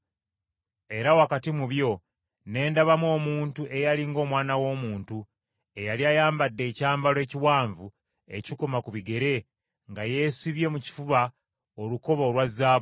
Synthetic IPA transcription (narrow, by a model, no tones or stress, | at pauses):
e̞ɾawakatimuβjo̞ | ne̞ːndaβamwo̞ːmuːntuʔe̞jaliŋɡo̞ːmwaːnawo̞ːmuːntu | e̞jaliajaːmbadːe̞ːcaːmbale̞ːciwaːɱvu | e̞̰cikomakuβiɡe̞ɾe̞ | ŋɡaje̞siβje̞muci̥fuβa | oluko̞βaːlwazaːβ